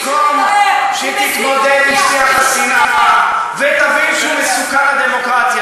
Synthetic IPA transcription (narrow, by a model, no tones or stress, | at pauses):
komʃet̪it̪bod̪ed̪iʃt̪eaχasinaa | vet̪avilʃumesukanad̪emokʁat̪ja